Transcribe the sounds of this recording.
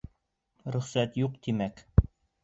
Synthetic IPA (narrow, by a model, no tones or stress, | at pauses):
ɾɵ̆χsæt̪juqt̪imæk